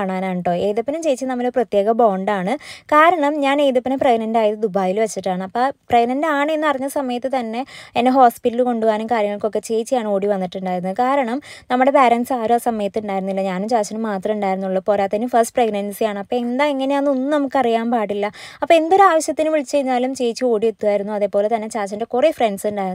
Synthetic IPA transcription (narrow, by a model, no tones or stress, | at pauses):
aːɳaːnaːʈːo̞ːe̞ːðupːinumt͡ɕe̞jit͡ɕːinɐmːɐloɾuprɐt̪je̞ːɡɐboːɳɖaːɳɨkaːɾɐɳɐmɲaːne̞ːjðupːinepreɡnɐndaːjɐt̪ːɨd̪ubaːjilʋɐt͡ɕːiʈːaːɳɨɐpːɐpreɡnɐndaːɳɨenːɨɐrɐɲːɐsɐmɐjɐt̪ːɨt̪ɐnːe̞enːeɦo̞ːspiʈːilko̞ɳɖuʋaːnumkaːɾjɐŋːɐɭko̞kːe̞t͡ɕe̞jt͡ɕːijaːɳɨo̞ːɽiʋɐnːiʈːuɳɖaːjiɾunːuðkaːɾɐɳɐmnɐmːuɽe̞paːɾɐnsaːɾoːsɐmɐjɐt̪ːɨuɳɖaːjiɾunːilːɐɲaːnumt͡ɕaːt͡ɕɐnɨmaːt̪rɐmuɳɖaːjiɾunːuɭːɐpo̞ːɾaːt̪ːɐinɨfɐrsʈpreɡnɐnsijaːɳɨɐpːɐe̞nd̪aːeŋːɐne̞anːonːɨnɐmukːɐrijaːmpaːʈːilːɐɐpːoe̞nd̪oɾuaːʋɐɕjɐt̪ːinɨʋiɭit͡ɕːt͡ɕejiɲːaːlumt͡ɕe̞jit͡ɕːɨo̞ːɽiʋet̪ːuʋaːjiɾunːuɐðe̞ːpːo̞ːle̞t̪ɐnːet͡ɕaːt͡ɕːɐndekurefreɳɖsuɳɖaːjiɾ